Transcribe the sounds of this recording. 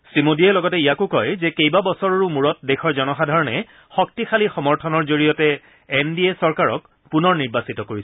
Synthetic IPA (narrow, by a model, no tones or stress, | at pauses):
simodiɛlɔɡɔtɛijakʊkɔjzɛkejbabɔsɔɹɔɹumuɹɔt̚dexʰɔɹzɔnɔxadʱaɹɔnɛ | xɔk̚tixʰalixɔmɔɹtʰɔnɔɹzoɹijɔtɛː | ndiesɔɹkaɹɔ̰k | punɔɹniɹbasitɔkoɹisɛ